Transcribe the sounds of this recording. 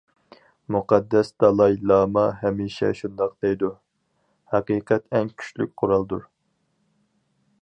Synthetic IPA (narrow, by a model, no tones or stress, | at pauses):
muqʰɑd̪ːɛsd̪ɑlˠɑilˠːɑːmɑɦɛmiʃɛ̰ʃund̪ɑq̚d̪ejd̪u | hæqiːqʰɛt̪ɛŋkʲʰy̥ʃly̰k̚ʲqʰʊɾɑlˠd̪uɾ